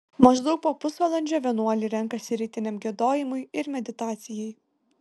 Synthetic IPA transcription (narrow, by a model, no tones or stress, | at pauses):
mɐʒd̪ɒʊk̚poːpʊsʋɐlˠɐnʲd͡ʒʲoːʋʲiɛnuɔlʲɪɾʲɛŋˑkɐsʲɪɾʲɪt̪ʲɪnʲɛmɡʲiɛd̪oːjɪmʊjɪɾmʲɛd̪ʲɪt̪ɑːt̪sʲɪjɛj